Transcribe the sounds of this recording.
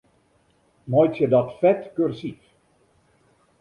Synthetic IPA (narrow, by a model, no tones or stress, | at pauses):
mɔjtjədɔtfɛtkørsif